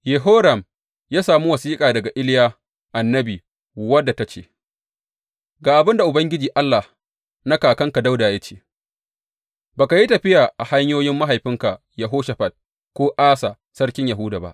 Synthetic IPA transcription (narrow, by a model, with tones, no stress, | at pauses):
je˨ɦoː˦ɾɐ˨m | jaː˦saː˨mu˦wɐ˨siː˦kʼaː˨dɐ˨ɡa˨ʔɪ˦ljaː˦ | ʔa˨nːɐ˦biː˨ | wɐ˦dːa˨ta˦t͡ʃḛː˨ | ɡaː˨ʔa˨bɪ˦nda˨ʔʊ˨bɐ˦ŋɡʲɪ˦d͡ʒiː˨ʔa˦lːa˨h | na˦kaː˨kɐ˦ŋka˨da˦wdaː˨je˦t͡ʃe̥ː˨ | baː˨ka˨ji˦tɐ˨ɸɪ˦jaː˨ʔa˨ha˦ɲjoː˦jɪ˦mːa˦ɦa˨jɸɪ˦ŋka˨ | jɐ˨ɦoː˦ʃɐ˨ɸɐ˨t̚ | kʷoː˦ʔaː˦sa˨ | sɐ˦ɽkʲɪ˦ɲja˨ɦʊ˦da˨ba̰˦ʔ